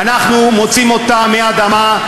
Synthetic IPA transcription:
anaχnumo̞t͡simo̞t̪amead̪ama

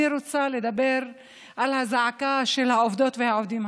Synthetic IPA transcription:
iɾot͡sale̞d̪abe̞ɾ | ʔalhazaʕakaʃe̞lhaovd̪o̞t̪vehaovd̪im

